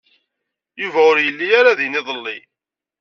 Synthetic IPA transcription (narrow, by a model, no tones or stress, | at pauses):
juvæʊɾjəlːijaɾaðinɪðˤəlːi